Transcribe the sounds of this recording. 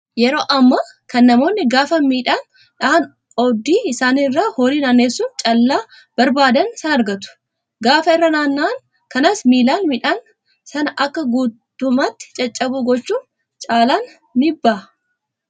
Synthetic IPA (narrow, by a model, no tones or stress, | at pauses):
jɛɾo̞ːʔɐmːɐ | kɐnːɐmo̞ːnːɪɡaːfɐnmiːᶑaːn | ᶑɐhɐn | ɔd̪iːɪsaːnɪrːahoːɾiːnaːnːeːsːʊnt͡ʃʼɐlːaː | b̥ɐɾbaːd̪ɐnsɐnɐɾɡɐt̪ʊ̥ | ɡaːfɐɪrːɐnaːnːaːn | kɐnasmiːlaːnmɪᶑaːn | sɐnɐʔɐkːɐɡuːt̪ː | ʊmat̪ːɪ̥t͡ʃʼɐt͡ʃʼːɐbuːɡɔt͡ʃːuːn | t͡ʃʼaːlaːn | mɪbːɐː